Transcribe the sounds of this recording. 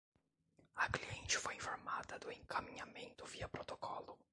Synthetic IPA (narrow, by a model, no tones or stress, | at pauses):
ɐkliẽnt͡ʃɪfojĩfoɾmad̪ɐd̪ʊẽŋkɐmĩɲamẽnt̪ʊviɐpɾot̪okɔlʊ